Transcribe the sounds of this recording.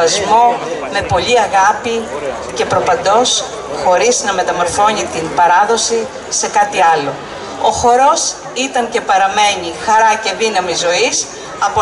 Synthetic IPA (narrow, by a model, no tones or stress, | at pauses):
ɐzmo̞me̞po̞ʎiɐɣɐpi | ce̞pɾo̞pɐnd̪o̞s | xo̞ɾiznɐme̞t̪ɐmo̞ɾθo̞ɲit̪inbɐɾɐðo̞si | se̞kɐt̪iɐlo̞ | oxo̞ɾo̞s | it̪ɐɲce̞pɐɾɐme̞ɲixɐɾɐce̞ðinɐmizo̞is | ɐpo